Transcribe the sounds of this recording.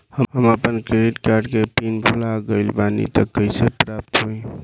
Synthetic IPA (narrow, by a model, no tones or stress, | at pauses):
həhəməpənkɾeɖiʈkaɾɖkepinbʱulaɡəɪlbanḭt̪əkːəjsepɾap̚t̪ɦoj